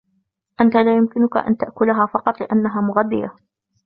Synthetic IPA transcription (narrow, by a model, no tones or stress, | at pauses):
ʔant̪alaːjʊmkɪnʊka̰ʔa̰nt̪aʔkʊlaɦaːfɑqɑt̪ˤlɪʔanːaɦaːmʊɣad̪ːɪja